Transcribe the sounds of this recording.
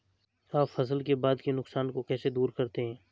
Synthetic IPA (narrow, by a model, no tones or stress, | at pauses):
aːfɐsəlkebaːd̪kenʊksaːnkokɛːsed̪uːɾkɐɾt̪eɦɛ̃ː